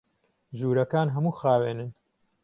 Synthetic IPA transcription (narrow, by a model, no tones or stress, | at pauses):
ʒuːɾɐkaːnɦɐmuːxaːweːnɨn